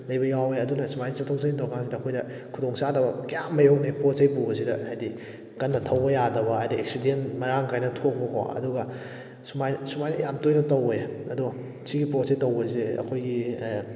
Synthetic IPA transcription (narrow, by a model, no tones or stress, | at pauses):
lɐjbɐjawejɐdunɐsumajisatʰowsanitokaŋsidɐːkʰojdɐ | kʰudoŋsadɐbɐkjamːɐjok̚nepɾosejpubɐsidɐhajdi | kɐnːɐtʰɐwbɐjadɐbɐajdiek̚sidentmɐɾaŋkʰajnɐtʰok̚bɐkʰo̰ɐ̰duɡɐ | sumajsumajnɐjamtojnɐtowejɐdu | siɡipɾosejtɐwbɐzeɐ̰kʰojɡi